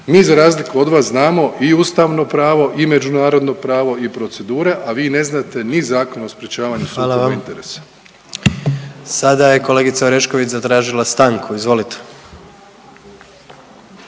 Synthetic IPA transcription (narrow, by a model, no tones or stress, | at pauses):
miːzaɾaːzlikuo̞d̪ʋaːsznaːmo̞ʔiuːst̪aːʋno̞pɾaːʋo̞ʔime̞d͡ʒunaːɾo̞d̪no̞pɾaːʋo̞ipɾo̞t̪se̞d̪uːɾe̞ʔaʋiːne̞znaːt̪e̞nizaːko̞nospɾet͡ɕaːʋaɲusɾalaoaeint̪e̞ɾḛːsḁ | sad̪aje̞ko̞leːɡit̪saoɾeʃkoʋit͡ɕzat̪ɾaːʒilast̪aːŋkʰuizʋo̞lit̪e̥